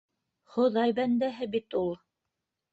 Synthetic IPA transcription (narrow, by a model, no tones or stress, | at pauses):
χŏðɑjbænd̪æɦɘbit̪ulˠ